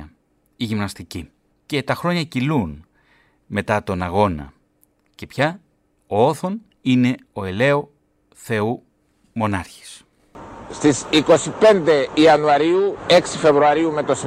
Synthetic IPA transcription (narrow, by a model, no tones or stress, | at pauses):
ɐ | iʝimnɐst̪ici | ce̞t̪ɐxɾo̞ɲɐcilun | me̞t̪ɐt̪o̞nɐɣo̞nɐ̰ | ce̞pçɐ | oo̞θo̞n | ine̞o̞e̞le̞o | θe̞u | mo̞nɐɾçi̥s | st̪isiko̞sipe̞nd̪e̞iɐnuɐɾiueksife̞vɾuɐɾiume̞t̪o̞si